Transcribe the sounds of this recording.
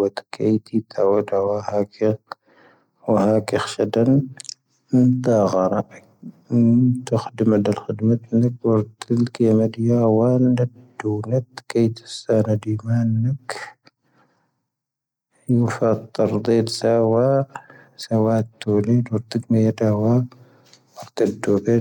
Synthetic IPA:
ɐt̪kʰɐjt̪ʰit̪ʰːawɐd̪awahaki | wɐhakixʃɐd̪ɐn | ɨnt̪aɣɐɾaʔ | t̪ʰɨxɨd̪mɐd̪ɐlxɨd̪mɐt̪nɐkwɐɾt̪ʰɨlkʰemɐd̪jawanɐd̪ːuwnɐt̪kʰɐjt̪ʰɨ̥sanɐd̪imanːɐk | jufɐt̪ˤːɨɾd̪ed̪sawa | sɐwat̪ʰːoled̪wʊɾt̪ɨɡmɐjd̪awa | wɐɾt̪ɐd̪obe

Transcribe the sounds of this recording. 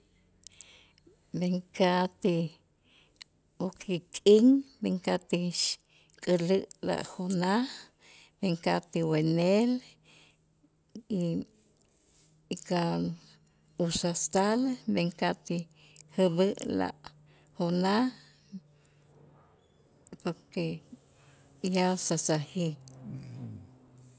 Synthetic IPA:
beŋkat̪i | wokʰikʼiŋbeŋkat̪iʃ | kʼəlɨʔla̰ʔhona | beŋkat̪iwenel | i | ka | usast̪albeŋkat̪i | həbɨʔla̰ʔ | hona | poɾke | jasasahi

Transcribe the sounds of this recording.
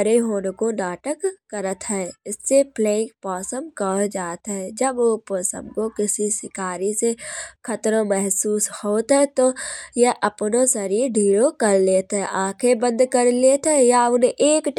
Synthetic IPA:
ɾeɦoːnekonaːʈəkːəɾət̪ɦɛːɪsːeplẽːkpɔːsəmkɔd͡ʒaːt̪ɦɛd͡ʒəboːpɔːsə̰̃mkokɪsisɪkaːɾisekʰɐt̪ɾõmɛɦsuːshoːt̪ɦɛt̪ojɛʔɐpnõsɐɾiːɾɖʱiːɾokɐɾleːt̪ɦɛ̃ʔãːkʰebə̃nd̪kəɾleːt̪ɦɛjaʊneʔeːkʈ

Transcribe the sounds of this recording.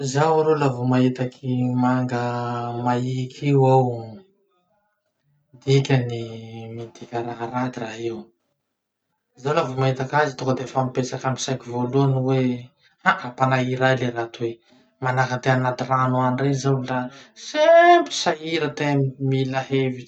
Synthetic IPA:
zawɾolavumaɦit̪akʰimaŋɡəmaikʰiwaw | d̪ikʲənimid̪ikʲaɾaɦaɾad̪iraɦew | zawlavumaɦit̪akazit̪ukəd̪efamipesakami̥sajkivoluanuwe | haʔapanaiɾajleɾat̪uwe | manakant̪eanat̪iranuanrezawlasempi̥saiɾət̪emilaɦeviʈ͡ʂ

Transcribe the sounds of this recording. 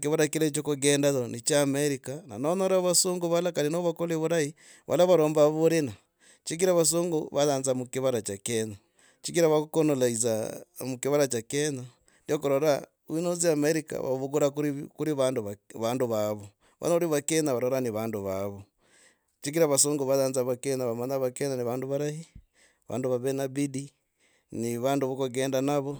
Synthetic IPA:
kiβaɾakilet͡ʃokoɡeːndaðonit͡ʃaːmeɾikana̰nonoɾaβasuŋɡuβalakaɾinoβakoleβuɾai | βa̰laβaɾoːmbaβuɾena | t͡ʃik̬iɾaβas̬uŋɡuβaðaːnzamukiβaɾat͡ʃakena | t͡ʃikiɾaβakukonolaizamukiβaɾat͡ʃakena | ndiokoɾoɾa | inoziameɾika̰βa̰βuɡuɾakkuɾiβaːnduβaːnduβaβo | βa̰noliβakenaβaɾoɾaniβaːnduβaβo | t͡ʃiɡiɾaβasoːŋɡuβaðaːnzaβakenaβamaɲaβakenaniβaːnduβaɾahi | βa̰ːnduβaβenabidi | niβaːnduβukoɡeːndanaβo

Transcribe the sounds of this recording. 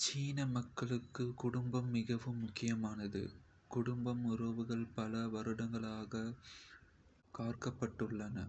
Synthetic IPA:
t͡ʃiːnɐmɐkːɐɭɯkːɯkʊɽʊmbɐmːɪɣɐʋɯmːʊkːɪjɐmaːnɐðɯ̰ | kʊɽʊmbɐmʊɾɐʋɯɣɐɭpɐlɐʋɐɾɯɽɐŋɡɐɭaːɣɐ | kaːrkɐpːɐʈːɯɭːɐnɐ̰

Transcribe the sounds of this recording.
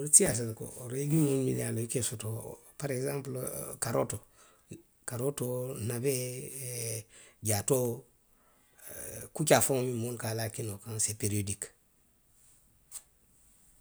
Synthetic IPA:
oɾsijas̬atko̰oɾeɡimunmḭnaloikesoto | paɾekzãmplkaɾoto | kaɾotonabe | ɟato | kut͡ʃafoŋmimunkalakinokansepeɾiodik

